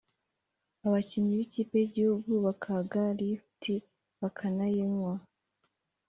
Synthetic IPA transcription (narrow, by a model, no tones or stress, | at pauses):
aβaciɲiβiciːpe̞jiɟihuɡuβakʰaɡaɾiftʰi | βakʰanajeŋwa